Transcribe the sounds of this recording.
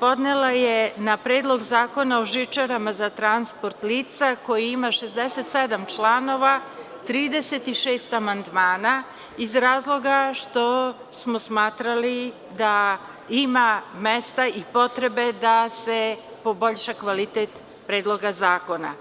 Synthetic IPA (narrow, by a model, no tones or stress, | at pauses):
po̞d̪nelajenapɾeːd̪lˠo̞ɡzaːko̞naoʒit͡ʃaɾamazat̪ɾanspoɾt̪liːt̪sako̞jiimaʃezd̪eset̪sed̪amt͡ʃlaːno̞ʋa | t̪ɾiːd̪eset̪iʃeːst̪amand̪maːna | izɾaːzlˠo̞ɡaʃt̪o̞ | smosmaːt̪ɾali | d̪a | imamest̪aipo̞t̪ɾebe̞d̪asepo̞boʎʃakʋalit̪et̪ | pɾeːd̪lˠo̞ɡazaːko̞na̰